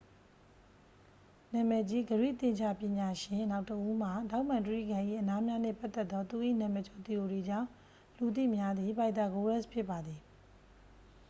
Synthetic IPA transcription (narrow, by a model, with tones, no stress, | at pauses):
nã˨mɛ˨d͡ʑi˦ɡəɹwḭ˦˨t̪ɪ̃˨ɲt͡ɕʰa̰˦˨pjɪ̃˨ɲa˨ʃɪ̃˨na˦ʊtəʔu˦m̥a˨da˦ʊʔmã˨ntəɹḭ˦˨ɡã˨ʔḭ˦˨ʔəna˦mja˦nḛ˦˨pa˦t̪ːɛ˦t̪ːɔ˦t̪u˨ʔḭ˦˨nã˨mɛ˨t͡ɕʰo˨t̪i˨jo˨di˨d͡ʑã̰˦˨ | lu˨t̪̬ḭ˦˨mja˦d̪i˨ba˨ɪt̪a˨ɡo˦wɛ˦˨spʰjɪ˦pːa˨d̪ði˨